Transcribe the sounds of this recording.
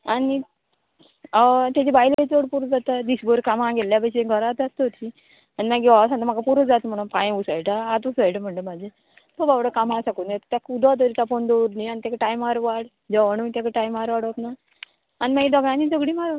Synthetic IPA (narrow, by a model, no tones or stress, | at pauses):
ani | t̪jad͡ʑebajlkət͡səɽpuɾəd͡zat̪ad̪isbəɾkamãɡelːjapajseɡʱəɾat̪ast̪ət̪ʰi | animaɡiʋasãnt̪amakapuɾəd͡zat̪m̤əɽ̃ũnpãjẽusajʈaːt̪usajʈam̤əɳʈəmad͡ʑʱe | t̪obaʋɽəkamãsakunet̪t̪jakud̪at̪əɾit̪afond̪oɾnianit̪akaʈajmaɾʋaɽ | d͡ʑəʋəɳ̃unt̪jakaʈajmaɾʋaɽəp̪na | animaɡid̪ɔɡãnid͡zəɡɽiːmaɾ